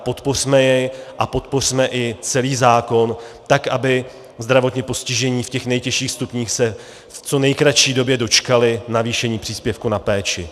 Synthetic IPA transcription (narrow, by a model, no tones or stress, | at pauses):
po̞t̪po̞r̥mɛjɛjʔapo̞t̪po̞r̝̥mɛʔɪt͡sɛliːzaːko̞nt̪akʔabɪ | zd̪ɾavo̞t̪ɲɛpo̞scɪʒɛɲiːfcɛxnɛjcɛʃiːxst̪upɲiːxsɛ | ft͡so̞nɛjkɾaʃiːdo̞bjɛdo̞t͡ʃkalɪnaviːʃɛɲiːpr̥iːspjɛfkunapɛːt͡ʃɪ